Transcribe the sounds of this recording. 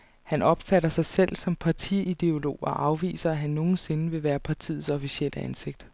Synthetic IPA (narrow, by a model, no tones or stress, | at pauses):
hænɒ̽b̥fæɾɐsɑ̈ɪsel̰sɒ̽mpʰɑ̈t͡sʰiid̥e̝o̝lo̝̰ːɒʔɑ̈ʊʋḭːsɐæɦænːo̝ːn̩se̝nəʋe̝ʋæːɐpʰɑ̈t͡sʰḭð̩ˠsɒ̽fisiel̰ʔəænse̝ɡ̥̚d̥